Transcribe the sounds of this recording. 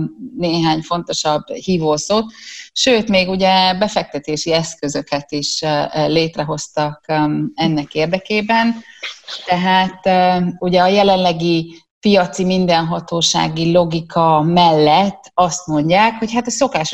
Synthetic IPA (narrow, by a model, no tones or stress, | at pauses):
neːɦaːɲfo̞nt̪o̞ʃɒbːhiːvoːsoːt̪ʃøːt̪meːɡuɟɛbɛfɛk̚t̪ɛt̪eːʃiɛskø̞zø̞kɛt̪iʃleːt̪rɛɦo̞st̪ɒkɛnːɛkeːrd̪ɛkeːbɛnt̪ɛɦaːt̪uɟɛɒjɛlɛnlɛɡi | pijɒt̪simind̪ɛnɦɒt̪oːʃa̰ːɡilo̞ɡikʰɒmɛlːɛt̪ːɒst̪mo̞ɲɟaːkho̞chat̪ɒso̞kaːʃ